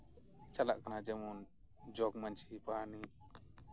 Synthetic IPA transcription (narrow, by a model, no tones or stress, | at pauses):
t͡ʃala̰ʔkanad͡ʒɛmɔn | d͡ʒɔk̚mant͡ʃʰipani